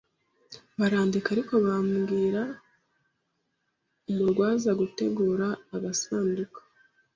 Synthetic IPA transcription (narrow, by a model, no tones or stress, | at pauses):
βaɾaːndikaɾiko̞βamɡiːɾa | ijoɾɡwaːzaɡute̞ɡuːɾaːɡasaːndukḁ